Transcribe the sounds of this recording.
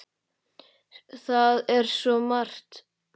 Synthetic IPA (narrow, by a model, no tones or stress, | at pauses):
θaðɛɾ̥sɔmar̥t̪